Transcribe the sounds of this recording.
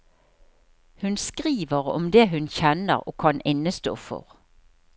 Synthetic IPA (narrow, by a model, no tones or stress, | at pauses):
hʉnskʁiːʋəʁɔ̰md̪eːɦʉnçɛnə̰ʁo̰ːkʰɑnʔɪnəst̪o̰ːfɔ̰ʁ